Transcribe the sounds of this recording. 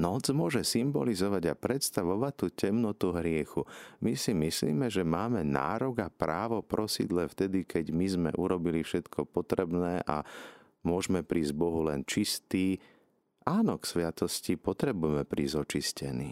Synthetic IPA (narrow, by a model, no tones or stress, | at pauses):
nɔd͡zmʊɔʒɛsimbɔlizɔʋaɟapɾɛt̪st̪aʋɔʋat̪ːucɛmnɔt̪uɦɾɪɛxumisimislḭːmɛʒɛmaːmɛna̰ːɾɔɡapɾaːʋɔpɾʔɔsḭd̪lɛft̪ɛd̪ikɛɟmizmɛ̰ʔuɾɔbilifʃɛt̪kʰɔpɔt̪ɾɛbnɛːʔa̰ | mʊɔʒmɛpɾiːzɟbɔɦulɛnt͡ʃist̪iː | ʔaːnɔksʋat̪ɔscipɔt̪ɾɛbujɛmɛpɾʔiːzɔt͡ʃiscɛnḭː